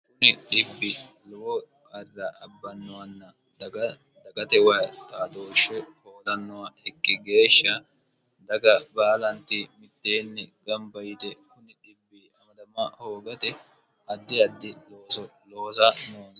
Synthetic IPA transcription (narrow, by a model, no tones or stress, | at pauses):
kʊnɪɗɪbːɪlɔwɔkʼɐrːɐʔɐbːɐnːɔwɐnːɐ | d̪ɐɡɐt̪ɛwɐt̪aːt̪oːʃːɛhoːlɐnːɔwɐɛkːɪɡe̞ːʃːɐ | d̪ɐɡɐbaːlɐnt̪ɪmɪt̪ːeːnːɪɡɐmbɐjɪt̪ɛkʊnɪᶑɪbːɪɐmɐd̪ɐmɐhoːɡɐt̪ɛ | ɐd̪ːɪɐd̪ːɪloːsɔloːsɐnoːn